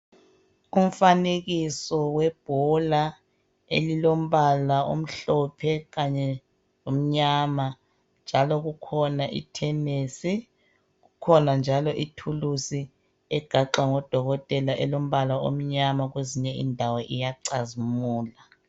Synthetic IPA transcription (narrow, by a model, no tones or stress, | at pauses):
um̩faneɣisɔwɛb̥ʱɔla | ḛlilom̩βalao̰m̩ɬɔpʰɛɣaɲɛ | om̩ɲaːma | nd͡ʒʱalɔɣukʰɔnaʔḭtʰɛneːsi | ɣukʰɔnand͡ʒʱalɔʔitʰulusi | ɛɡ̥ʱaǃaŋɔd̥ʱɔɣɔtʼɛlaʔɛlom̩βalao̰m̩ɲamaɣweziɲɛḭndʱawɔʔijaǀazimuːla